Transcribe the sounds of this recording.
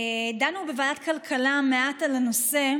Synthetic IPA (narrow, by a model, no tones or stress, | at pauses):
danubevaːdatkalkʰalameʔatalano̞se̞